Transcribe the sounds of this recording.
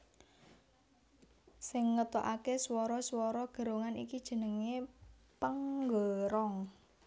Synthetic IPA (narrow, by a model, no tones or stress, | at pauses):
sɪŋːət̪ɔʔakeswɔɾɔswɔɾɔɡ̥ə̤ɾoŋanḭkid̥ʒ̥ə̤nəŋe | pəŋɡoɾɔŋ